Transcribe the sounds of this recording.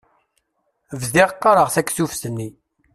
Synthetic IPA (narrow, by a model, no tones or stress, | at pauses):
vðɪʁəqːɑɾˤəʁθækːsufsənːi